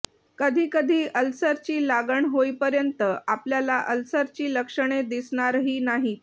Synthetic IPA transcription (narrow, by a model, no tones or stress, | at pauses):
kəd̪ʱiːkəd̪ʱiːəlsəɾt͡ɕiːlaɡəɳɦoipəɾjənt̪əʔapljalaʔəlsəɾt͡ɕiːləkʂəɳ̃ed̪isɳaɾɦiːnaɦi